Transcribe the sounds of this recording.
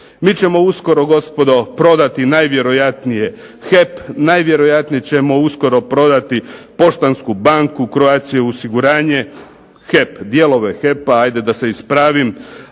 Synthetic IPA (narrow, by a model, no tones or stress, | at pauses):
miːt͡ɕe̞mo̞usko̞ɾo̞ɡo̞spo̞d̪o̞pɾo̞d̪at̪inajʋje̞ɾo̞jat̪nije̞ | xepnajʋje̞ɾo̞jat̪nijet͡ɕemo̞usko̞ɾo̞pɾo̞d̪at̪ipo̞ʃt̪anskubaŋkukɾoaːt̪sijeosiɡuɾaːɲe̞ | xe̞pd̪je̞lˠo̞ʋexe̞paajd̪e̞d̪ase̞ispɾaːʋim